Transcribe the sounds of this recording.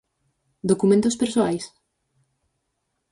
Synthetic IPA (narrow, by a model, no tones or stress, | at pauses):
d̪okumẽnt̪ospeɾsoajs